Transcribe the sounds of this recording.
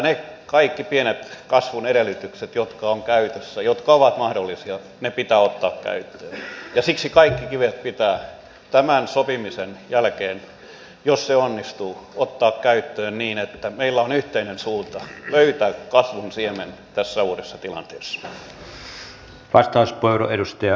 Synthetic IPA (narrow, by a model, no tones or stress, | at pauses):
nekɑikːipienet̪kɑsʋuneɾelːyt̪ykset̪jot̪kɑoŋkæyt̪øsːæjot̪kɑoʋɑt̪mɑhdolːisiɑ | nepit̪æːot̪ːɑːkkæ̰yt̪ːøːnjɑsiksikɑikːikiʋet̪pit̪æː | t̪æmænsopimisenjælkeːn | josseonːist̪uːot̪ːɑːkkæyt̪ːøːnniːnet̪ːæmeilːæonyht̪einensuːnt̪ɑløyt̪æːkkɑsʋunsiemen | t̪æsːæuːdesːɑt̪ilɑ̰nt̪eːsːɑ̥ | ʋɑst̪ɑuspoiɾo̰eɾust̪ɑjɑ